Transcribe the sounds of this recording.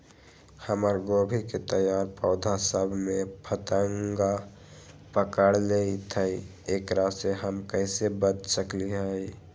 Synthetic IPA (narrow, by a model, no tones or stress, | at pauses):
həməɾɡobʱiket̪əjaːɾpəʊd̪ʱasəbʱmẽpʰət̪əŋɡa | pəkəɽleit̪ʰəi | eːkɾaseɦəmkəɪsebət̪səkliɦəi